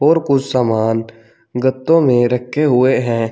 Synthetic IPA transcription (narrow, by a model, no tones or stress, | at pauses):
ɦɔːɾkʊt͡ʃʰsaːmaːn | ɡət̪ːõmẽɾəkʰːeɦʊeɦɛ̃ː